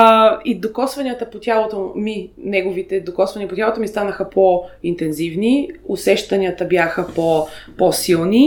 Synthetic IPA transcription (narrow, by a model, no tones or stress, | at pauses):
id̪okɔsvɐnʲiət̪əpot̪ʲjalˠot̪ominɛɡovit̪ɛd̪okɔsvɐniəpot̪ʲjalˠot̪omist̪anəxəpʰoint̪ɛnzivniʊsɛʃt̪ɐniət̪əbjaxəpoposilˠni